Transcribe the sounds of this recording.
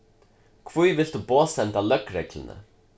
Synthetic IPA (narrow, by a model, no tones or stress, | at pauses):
kʰvujvɪlt̪upoːsɛnt̪alœkːɾɛklɪ̰nə̰